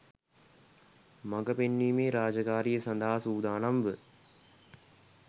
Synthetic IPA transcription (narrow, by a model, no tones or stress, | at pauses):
maɡəpenːiːmeːɾaːd͡ʒəkaːɾijəsɐnd̪aɦasuːd̪aːnamʋə